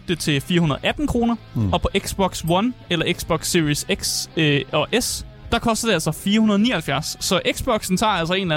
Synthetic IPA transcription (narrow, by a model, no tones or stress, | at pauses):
d̥et͡sʰe̝fiːɐhunɐð̞̩ˠʔæd̥n̩kʰʁo̝ːnɐɒ̽pʰɒ̽ʔe̝ɡ̥sb̥ɒ̽ɡ̥swɒnelɐʔe̝ɡ̥sb̥ɒ̽ɡ̥siʁiseɡ̥sɒʔes | d̥ɑ̈kʰɒ̽sd̥ɐd̥e̝æl̰sɒfiːɐhunɐðˠnḭːɐhælfjæɐsːɒ̽ʔeɡ̥sb̥ɒ̽ɡ̥sn̩t͡sʰɑ̰̈ːæl̰sɐe̝ːnlæ